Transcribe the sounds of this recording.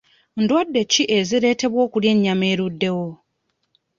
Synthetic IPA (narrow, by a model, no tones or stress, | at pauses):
ndwadːe̞ciʔe̞ziɾe̞ːte̞βwo̞ːkulje̞ɲːame̞ːɾudːe̞wo̞